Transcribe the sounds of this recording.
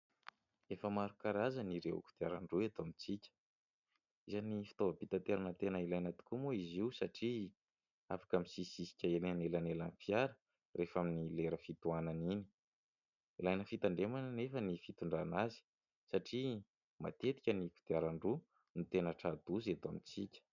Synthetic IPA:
efəmaɾukaɾazəniɾewṵku̥d̪̥iaɾaɳɖ͡ʐuet̪omit͡sikʲə̥ | izanifi̥t̪ovəpit̪at̪eɾanət̪enəilajnət̪u̥kumuiziwsaʈ͡ʂi | afḁkəmisisisi̥kʲəelanelanelanfiaɾə | refaminileɾəfit̪uananini̥ | ilajnəfit̪aɳɖ͡ʐemanənefənifit̪uɳɖ͡ʐanazi̥ | saʈ͡ʂi | ma̰t̪et̪i̥kʲəniku̥t̪iaɾaɳɖ͡ʐu | nit̪enəʈ͡ʂad̪uzat̪oamit͡sikʲə̥

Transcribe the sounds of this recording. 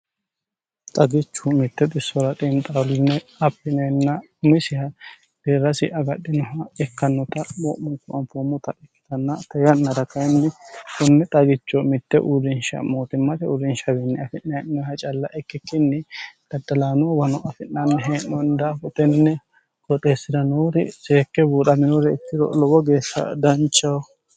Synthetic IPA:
t̪ʼɐɡɪt͡ʃːʊmɪt̪ːɛt̪ʼɪsːɔɾɐt̪ʼiːnt̪ʼɐlɪnːɛɐpːɪnɐnːɐ | ʊmɪsɪhɐ | d̪̥eːɾɐsɪʔɐɡɐɗːɪnɔɦɐɛkːɐnːɔt̪ɐmɔʔʊŋkʊɐmfomːʊt̪ɐʔɛkːɪ̥t̪ɐnːɐt̪ɐjɐnːɐd̪ɐkːɐjɛnːɛkʊnːɛt̪ʼɐɡɪt͡ʃːɔmɪt̪ːɛʔuɾɪnʃɐ̰moːt̪ɪmːɐt̪ɛuɾɪnʃɐbɪnːɛɐfɪnːɐɛʔɪnɔhɐt͡ʃʼɐlːɐʔɛkːɪkːɪnːɛd̪̥ɐd̪ːɐlaːnʊwɐnɔʔɐfɪnːɐnːɛɦeːʔɔnd̪afɔt̪ɛnːɛ | kɔt̪ʼe̞ːsɪd̪ɐnoːɾɪ̰seːkːɛbuːᶑɐmɪnoɾɛɪt̪ːɪdɔ̰lɔbɔɡeːʃɐ̰d̪ɐnt͡ʃːɐw

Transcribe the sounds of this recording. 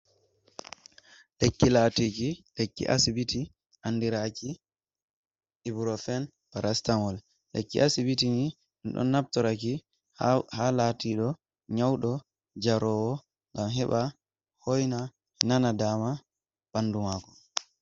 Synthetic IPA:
lekːilatikilekːḭʔa̰sibiti | ʔanːdiɾaki | ibɾɔfɛn | b̥aɾastaŋɔl | lḛkːḭʔasibitini | nɗɔ̰nːap̚tɔɾaki | halatiɗɔ | ɲawɗɔ | d͡ʒaɾɔwɔ | ŋɡamɦɛɓa | hojna | ɛnanadaːma | b̥andumaːkɔ̥

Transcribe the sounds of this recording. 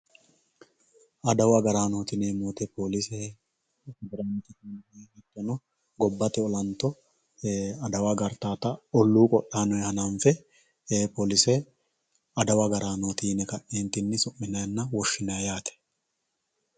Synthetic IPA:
ʔɐd̪ɐwɐɡɐɾaːnoːt̪ɪneːmoːt̪ɛpo̞ːlɪsɛ | ɡɐɾaːnɔt̪ɪnehɛt̪ːɔnɔ | ɡɔbːɐt̪ɛɔlɐnt̪ɔ | ɐd̪ɐwɐɡɐɾt̪aːt̪ɐɔlːuːkʼɔʔːaːnɔjɛhɐnanfɛː | poːlɪsɛ | ɐd̪ɐwɐɡɐɾaːnoːt̪iːnɛkɐʔɛnt̪ːɪnːɪsʊʔːɪnɐjɐnːɐwɔʃːɪnɐjaːt̪ɛ̥

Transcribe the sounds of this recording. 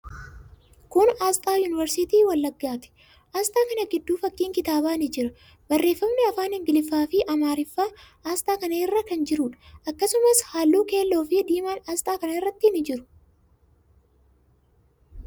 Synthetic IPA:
kʊnaːst̪ʼaːjuːnɪvɛɾsɪt̪iːwɐlːɐɡːaːt̪ɛ̥ | ʔaːst̪ʼaːkɐnɐɡɪd̪ːuːfɐkʼːiːŋkɪt̪aːbaːnɪd͡ʒɪɾɐ | bɐrːe̞ːfːɐmnɛɐfaːnɪŋɡɪlɪfːaːfɪʔɐmaːɾɪfːaː | aːst̪ʼaːkɐnɐɪrːɐkɐnd͡ʒɪɾʊᶑɐ̥ɐkːɐsʊmɐshaːlːuːke̞ːlːo̞ːfɪd̪iːmaːnaːst̪ʼaːkɐnɐɪrːɐt̪ːɪnɪd͡ʒɪɾʊ̥

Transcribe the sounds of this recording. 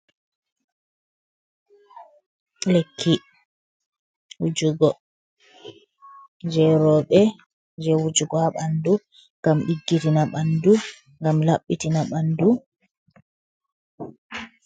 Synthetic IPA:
lekːi | wud͡ʒuɡɔ | d͡ʒɛɾɔɓɛ | d͡ʒɛwud͡ʒuɡɔhaɓandu | ŋɡamɗiɡːitinaɓandu | ŋɡamlaɓːitinaɓandu

